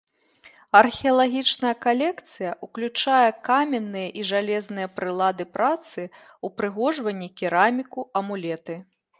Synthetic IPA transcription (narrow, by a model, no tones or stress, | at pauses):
ɐrxʲiɐlˠaɣʲit͡ʂnɐjɐkalʲɛkt̪sɨjɐʔuklʲut͡ʂajɛkamʲɛnːɨjɐʔiʐalʲɛznɨjɐpɾɨlˠad̪ɨpɾat̪sɨ | upɾɨɣɔʐvɐnʲːikʲiɾamʲikuɐmulʲɛt̪ɨ